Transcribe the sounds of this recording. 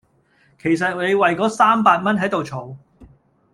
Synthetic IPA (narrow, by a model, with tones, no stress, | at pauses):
kʰe˨˩js̬ɐ˨t̚le˨˧jwɐ˨jkɔː˨˥saː˥mpaː˧t̚mɐ˥nɦɐ˨˥jt̪o˨wt͡ʃʰo˨˥˩w